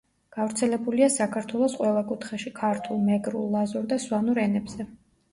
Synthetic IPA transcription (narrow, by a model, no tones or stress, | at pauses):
ɡ̥avɾt̪sʰɛlɛbuliasakʰaɾt̪ʰwɛlˠɔsqʼwɛlˠakʼut̪ʰχɛʃikʰaɾt̪ʰulˠmɛɡɾṵlˠːazɔɾd̪aswanuɾɛnɛbz̥ɛ